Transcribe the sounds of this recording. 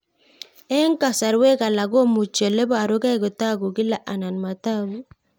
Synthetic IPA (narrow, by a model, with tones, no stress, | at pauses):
e˦ŋka˨sa˨ɾwe˦ka˨la˨ɡo˦mu˨t͡ʃe˨le˦ba˨ɾo˦ka˦jɡo˨ta˦ɡu˨ɡi˦la˨ʔa˨na˨nma˨ta˦ɡu˦